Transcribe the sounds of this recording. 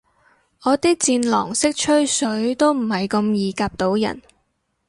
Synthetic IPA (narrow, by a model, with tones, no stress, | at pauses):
ʔɔː˨˧t̪iː˥k̚t͡siː˧nlɔ̰ː˨˩ŋsɪ˥k̚t͡ʃʰɵ˥ɥsɵ˨˥ɥt̪o˥wm̩˨˩hɐ˨jkɐ˧mjiː˨˧kaː˧p̚t̪o˨˧˥wjɐ̰˨˩n